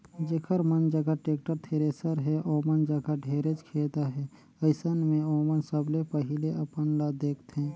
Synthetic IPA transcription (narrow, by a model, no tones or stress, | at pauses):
d͡ʒeːkʰəɾmənd͡ʒəɡaʈeːk̚ʈəɾt̪ʰeːɾeːsəɾɦɛʔoːmənd͡ʒəɡaɖʱeːɾed͡ʒkʰeːt̪aɦɛ | əɪsənmẽoːmənsəblepəɦɪleəpənlad̪eːkʰt̪ɦɛ̃ː